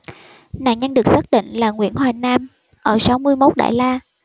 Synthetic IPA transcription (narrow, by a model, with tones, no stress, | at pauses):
na̰˧˨nɲə˧nɗɨ˨˩ək̚saː˦˥t̚ɗḭ̈˧˨ŋ̟laː˨˩ŋwḭ˧˥ənɦwaː˨˩naː˧m | ʔəː˧˩sa˨˦wmɨ˧əjmo˦˥t̚ɗa̰ː˧˨jlaː˧